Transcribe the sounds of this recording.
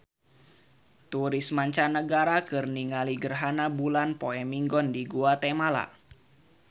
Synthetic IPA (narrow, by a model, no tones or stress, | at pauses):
t̪uɾismaɲt͡ʃanəɡaɾakɨrniŋaliɡərɦanabulanpoɛmiŋɡɔndiɡuat̪ɛmala̰